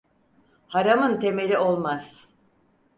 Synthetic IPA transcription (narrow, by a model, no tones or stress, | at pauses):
haɾamɯnt̪ʰe̞me̞lʲio̞lˠmaz̥